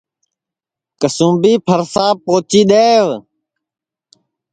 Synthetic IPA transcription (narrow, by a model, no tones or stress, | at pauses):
kəsũːbiːpʰəɾsaːpoːt͡ʃiːɗ̪eːʋ